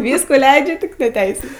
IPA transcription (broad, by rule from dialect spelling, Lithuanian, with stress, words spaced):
ˈʋʲiːskuː ˈlʲɛɪd͡ʒʲɛ tʲɪk nʲɛ ˈtʲɛɪsʲuː